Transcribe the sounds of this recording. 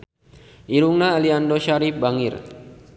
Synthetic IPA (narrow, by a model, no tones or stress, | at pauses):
ʔiɾuŋnaːliandoʃaɾifbaŋɪr